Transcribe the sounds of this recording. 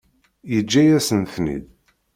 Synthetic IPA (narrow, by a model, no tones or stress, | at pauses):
jəd͡ʒːæjæsənθnḭd̪